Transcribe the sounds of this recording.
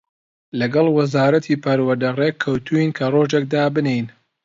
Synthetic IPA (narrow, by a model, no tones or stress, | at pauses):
lɐɡɐlˠwɐzaːɾɐt̪ʰiːpʰɐɾwɐɾd̪ɐrekʰːɐwt̪ʰuinkʰɐroʒek̚d̪aːbɨnejn